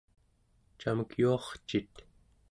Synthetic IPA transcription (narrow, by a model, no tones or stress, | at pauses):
t͡ʃaməkjuɑχt͡ʃit̪